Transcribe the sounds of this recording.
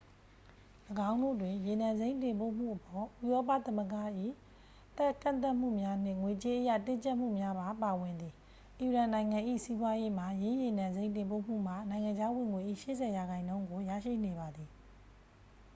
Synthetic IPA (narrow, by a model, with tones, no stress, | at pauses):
ləɡã˦ʊ̃no̰˦˨dwɪ̃˨je˨nã˨nze˦ɪ̃tɪ̃˨mpo̰˦˨m̥ṵ˦˨ʔəpɔ˨ʔu˦˨jɔ˦p̬a̰˦˨t̪ə˦məɡa̰˦˨ʔḭ˦˨ | t̪ɛ˦kã̰˦˨nt̪a˦ʔm̥ṵ˦˨mja˦n̥ɪ̰̃˦˨ŋwe˨t͡ɕe˦ʔəja̰˦˨tɪ̃˦ɲt͡ɕɛ˦ʔm̥ṵ˦˨mja˦ba˦pa˨wɪ̃˨nd̪ði˨ | ʔi˨ɹã˨nã˨ɪ̃ŋã˨ʔḭ˦˨si˦bwa˦je˦m̥a˨jɪ̃˦je˨nã˨nzẽ˦ɪ̃tɪ̃˨mpo̰˦˨m̥ṵ˦˨m̥a˦˨nã˨ɪ̃ŋã˨ɲd͡ʑa˦wɪ̃˨ŋwe˨ʔḭ˦˨ʃɪ̰˦˨zʰɛ˨ja˨ɡã˨ɪ̃nõ˦ʊ̃ŋɡo˨ja̰˦˨ʃḭ˦˨ne˨βa˨d̪i˨